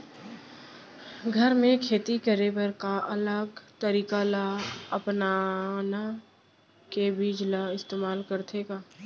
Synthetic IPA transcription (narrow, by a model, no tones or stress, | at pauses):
ɡʱəɾmẽkʰeːt̪ikəɾebəɾkaʔɐləɡt̪əɾiːkalaəpnana | kebid͡ʒlaɪst̪eːmaːlkəɾt̪ʰeːɡaː